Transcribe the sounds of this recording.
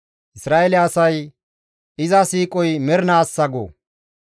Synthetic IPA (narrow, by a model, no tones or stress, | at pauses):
ʔɪsɾaːʔɛlɛɐsɐj | ɪzɐsiːkʼɔjmɛɾnaːsːɐɡo̰ː